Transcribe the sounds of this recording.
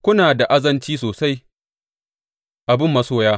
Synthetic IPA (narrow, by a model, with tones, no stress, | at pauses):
kʷʊ˦naː˨da˨ʔa˦zɐ˨nt͡ʃiː˦soː˨sa˦j | ʔa˨bɪ˦˨mːɐ˦soː˦jaː˦